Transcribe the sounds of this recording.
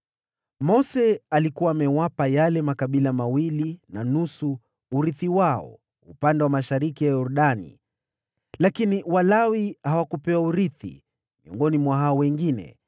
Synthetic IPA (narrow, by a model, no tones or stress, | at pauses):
mɔsɛalikuwaːmɛwapajalɛmakaɓilamawilinanusu | uɾiθiwaɔ̰ | upandɛwamaʃaɾikijajɔɾuɗanḭ | lakiniwalawihawakupɛwauɾiθḭ | miɔ̰ŋɡɔnimwaɦaɔwɛŋɡinɛ̰